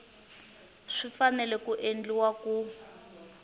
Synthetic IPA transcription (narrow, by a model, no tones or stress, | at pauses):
ʂifanɛlɛkuʔend͡ɮiwaku